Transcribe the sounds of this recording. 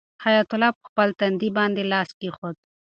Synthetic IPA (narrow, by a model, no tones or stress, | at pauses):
hajat̪ʊlɑpəxpəlt̪and̪ibɑnd̪elɑskexod̪̚